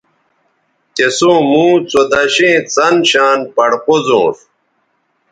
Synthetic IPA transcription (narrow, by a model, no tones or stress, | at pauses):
t̪esõːmũːt͡sod̪ɐɕẽːt͡sɐnɕaːnpɐɽqozõ̰ːɾ